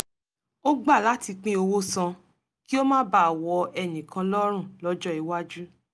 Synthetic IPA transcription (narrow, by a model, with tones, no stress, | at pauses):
o˦ɡ͡ba˦˨la˨˦ti˧k͡pĩ˦o˧wo˦sã˧ | ki˦o˦mãː˦ba˦˨a˨wɔ˧ɛ˨nĩ˨kã˧lɔ˦ɾ̃ũ˦˨lɔ˦d͡ʒɔ˦i˧wa˦d͡ʒu˦